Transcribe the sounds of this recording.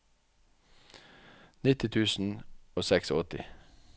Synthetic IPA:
nɪt̪ɪt̪ʰʉːsn̩oːsɛksoɔt̪ɪ̰

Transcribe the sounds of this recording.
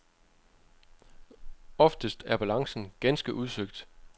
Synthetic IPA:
ɒ̽fd̥əsd̥æɐb̥ælɑ̈ŋsn̩ɡ̥ænsɡ̥əʔuð̞ˠsøɡ̥̚d̥

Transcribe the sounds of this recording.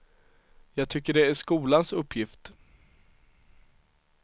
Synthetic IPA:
jɑːɡ̚t̪ʰʏkːəɖɛæʂkuːlansɵpʰːjɪft̪

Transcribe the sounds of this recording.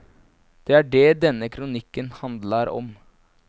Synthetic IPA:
d̪̥ɛæɖɛd̪ɛnːəkʰɾʊnɪkːənhɑnd̪ləɾɔ̰m

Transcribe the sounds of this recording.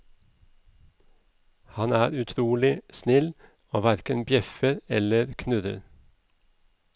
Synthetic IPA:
hɑnæːɾʉt̪ʰɾuːlɪsnɪl | oːʋæɾkənbjɛfəɾɛləɾkʰnʉɾə̰ɾ

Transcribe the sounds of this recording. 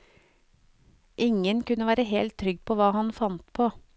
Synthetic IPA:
ʔɪŋənkʉnəʋæːɾəheːlt̪ʰːɾʏɡpʰoːʋɑːhɑnfɑnt̪pʰoː

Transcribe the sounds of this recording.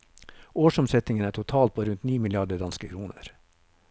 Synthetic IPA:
oːʃɔmsɛt̪ɪŋənæːʈʰʊt̪ʰɑːlt̪̚pʰoːɾʉnt̪niːmɪlɪɑɖəd̪ɑnskəkʰɾuːnə̰ɾ

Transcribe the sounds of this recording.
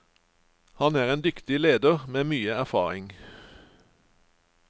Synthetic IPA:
hɑnæːʁeːnd̪ʏkt̪ɪleːd̪əʁmeːmyːəæʁfɑ̰ːʁɪŋ

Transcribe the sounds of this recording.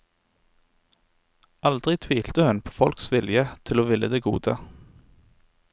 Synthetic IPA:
ɑld̪ʁɪt̪ʰʋiːlt̪əhʉnpʰo̥ːfɔlksʋɪljət̪ʰɪloːʋɪləd̪eːɡṵːd̪ə

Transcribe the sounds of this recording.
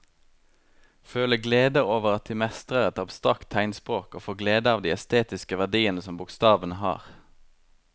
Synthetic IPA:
føːləɡleːd̪əʁoːʋəʁɑt̪̚d̪iːmɛst̪ʁəʁɛt̪ɑbst̪ʁɑkt̪ʰæɪnspʁoːkoːfoːɡleːd̪əɑːʋd̪iːɛst̪eːt̪ɪskəʋæʁd̪iːənəsɔmbʊkst̪ɑːʋənəhɑ̰ːʁ

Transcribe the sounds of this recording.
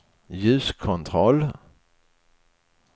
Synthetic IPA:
jʉ̟ːskʰɔnt̪ʰɾɔlː

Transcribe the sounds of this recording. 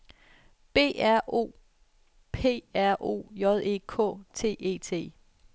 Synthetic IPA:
b̥e̝̰ːæɐ̰ʔo̝̰ː | pʰe̝̰ːæɐ̰ʔo̝̰ːjɒð̞ˠe̝ːkʰɔ̰̽t͡sʰe̝̰ːe̝̰ːt͡sʰe̝̰ː

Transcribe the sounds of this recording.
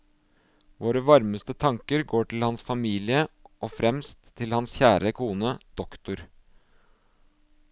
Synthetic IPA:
ʋoːɾəʋɑɾməst̪ət̪ʰɑŋkəɾɡoːʈʰɪlhɑnsfɑmiːlɪəʔoːfɾɛmst̪ʰːɪlhɑnsçæːɾʔəkʰuːnəd̪̥ɔkt̪ʊɾ

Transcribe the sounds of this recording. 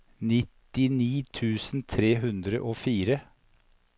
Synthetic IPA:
nɪt̪ɪniːt̪ʰʉːsn̩t̪ʰɾeːɦʉnd̪ɾə̰ʔoːfiːɾə

